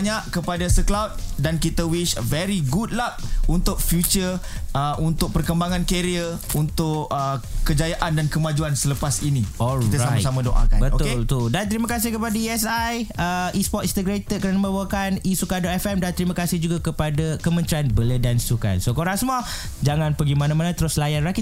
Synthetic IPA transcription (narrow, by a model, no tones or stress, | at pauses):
aɲaʔkəpadasəklawt̪̚dankit̪əwiʃvɛɾiɡud̚lap̚unt̪ʊk̚fjut͡ʃəəʔunt̪ʊk̚pərkəmbaŋãnkeɾiə | unt̪ʊʔəkəd͡ʒajaʔandankəmad͡ʒuansələpasiniɔlkit̪əɾsamjsamãdoʔa̰kabətoʊelt̪udant̪ɾimãkas̬ɪhkəpadaiɛsajəispɔt̪int̪əɡɾet̪əd̪̚kəɾanamə̃bakanisukadɔt̪ɛfɛmdant̪ɾimə̃kasɪhd͡ʒuɡakəpadakəmə̃nt̪ɾianbələdansuka̰nsokoɾaŋsəmua | d͡ʒaŋãnpəɡimanãmanãt̪əɾʊslajanraki